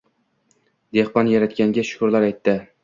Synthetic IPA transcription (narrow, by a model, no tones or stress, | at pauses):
d̪e̞hbɒnjaɾat̪kʲaŋɡʲaʃʊ̥kʰʊɾlaɾajt̪ʰːɪ